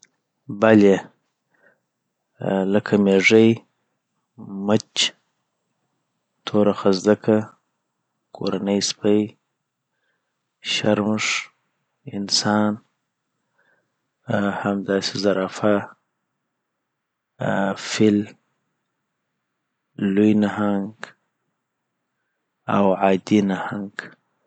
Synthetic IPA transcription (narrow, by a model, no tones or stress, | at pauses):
bale | ləkʰameʐəj | mət͡ʃ | t̪ʰoɾaxazd̪akʰa | kʰo̰ɾanəjspəj | ʃaɾməʂ | ɪ̰nsɑːn | hamd̪aːsizaɾaːfa | fɪl | lujnahaŋɡ | a̰wʕaːd̪inahaŋɡ